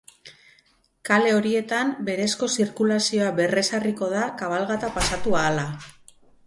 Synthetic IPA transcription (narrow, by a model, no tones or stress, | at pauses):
kale̞o̞ɾie̞t̪ambe̞ɾe̞sko̞siɾkulasio̞aβe̞re̞sariko̞ð̞akaβ̞alɣat̪apasat̪uaːla